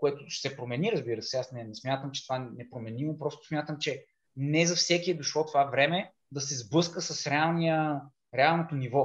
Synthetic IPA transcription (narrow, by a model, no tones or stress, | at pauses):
koɛt̪ʊsɛpɾomɛniɾɐzbiɾəsɛasnɛnɛsmʲjat̪əmt͡ʃɛ̥t̪ovanɛpɾomɛnimopɾɔst̪ʊ̥smʲjat̪əmt͡ʃɛ | nɛzɐfsɛkiɛd̪oʃlˠɔt̪ovavɾɛmɛ | d̪ɐsɛzblɤskəsɐsɾɛalˠnijə | ɾɛalˠnot̪onivɔ